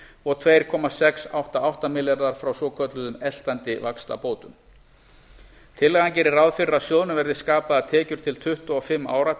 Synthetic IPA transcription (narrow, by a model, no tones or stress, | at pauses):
ɔɾt̪ʰveːjɾ̥kʰɔmasɛksawht̪aawht̪amɪljaɾðaɾ̥fɾawsɔkʰœt̪lʏðʏmɛl̥t̪ant̪ɪvakst̪a̰poːwt̪ʏm | t̪ʰɪlːɛɣancɛːɾɪɾawðfɪɾasjoːwðnʏvɛɾðɪskaːpaðat̪ʰɛːcʏɾ̥t̪ʰɪlt̪ʰʏht̪aɔfɪmːa̰ːwɾa